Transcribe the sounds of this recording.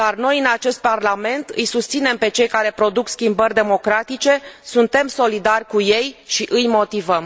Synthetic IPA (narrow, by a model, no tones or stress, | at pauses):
d̪̥arno̞jɨnat͡ʃe̞st̪̚parlame̞nt̪ɨjsust̪sine̞mpe̞t͡ʃe̞jkaɾe̞pɾo̞d̪ukskʲimbərʲd̪e̞mo̞kɾat̪it͡ʃe̞sunt̪e̞mso̞lid̪arʲkuje̞jʃiʔɨjmo̞t̪ivəm